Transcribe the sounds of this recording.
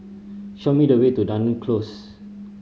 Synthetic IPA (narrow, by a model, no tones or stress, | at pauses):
ʃomidəwetudãnə̃nkʰlos